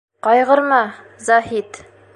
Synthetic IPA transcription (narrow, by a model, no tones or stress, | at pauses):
qɒjʁɤ̆ɾmɑ | zɑɦit̪